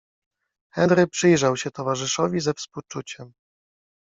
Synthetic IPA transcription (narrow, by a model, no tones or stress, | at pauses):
xɛnɾɘpʂɘjʐawɕɛt̪ɔvaʐɘʂɔvʲizɛfspuwt͡ʂut͡ɕɛm